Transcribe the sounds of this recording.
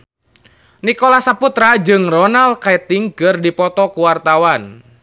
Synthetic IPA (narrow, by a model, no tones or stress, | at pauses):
nikɔlahsaput̪ɾad͡ʒɨŋrɔnalkaɛt̪iŋkərdipɔt̪ɔkuwart̪awan